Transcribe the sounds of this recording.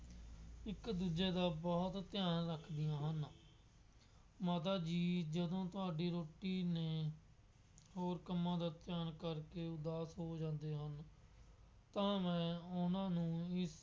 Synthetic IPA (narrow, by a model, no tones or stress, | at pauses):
ɪkd̪uːd͡ʒeːd̪aːbɔːt̪t̪ɪjaːnɾəkʰd̪ɪjãːɦən | maːt̪̬aːd͡ʒiːd͡ʒəd̪õːt̪ʊaːɖiːɾoːʈiːneː | hoːɾkəmːãːd̪aːt̪ɪjaːnkəɾkeːʊd̪aːsɦoːd͡ʒãːnd̪eːɦən | t̪ãːmɛ̃ːʊnãːnũːɪs